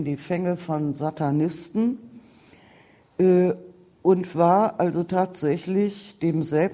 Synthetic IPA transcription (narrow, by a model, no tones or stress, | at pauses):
ndiːfɛŋəfɔnzatʰanɪstn̩ | ʔɛː | ʔʊntv̥aːɐʔalzotʰaːtz̥ɛçlɪçd̥eːmzɛl